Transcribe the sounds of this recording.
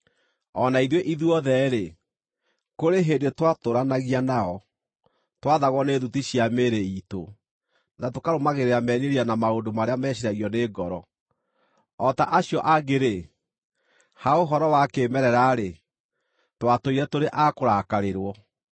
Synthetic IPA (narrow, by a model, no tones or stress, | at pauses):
ɔnaiðweʔiðuɔðɛɾe | koɾeɦeːndetwatoɾanaɣianaɔ | twaðaɣwɔneðutiɕiameɾeito̰ | natokaɾomaɣeɾeamɛneɾianamaondomaɾeamɛɕ̬iɾaɣiɔneːɡɔɾɔ | ɔtaʔaɕjɔʔaɡeɾe | haoɦɔɾɔwakemɛɾɛɾaɾe | twatoiɾɛtoɾeʔakoɾakaɾeɾwɔ